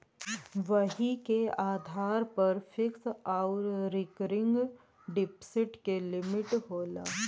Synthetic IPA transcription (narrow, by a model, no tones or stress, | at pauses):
ʋɐɦikeaːd̪ʱaːɾpɐɾfɪksaʊɾɾɪkɾɪ̃ŋɡ | ɖɪpsɪʈkelɪmɪʈɦoːla̰ː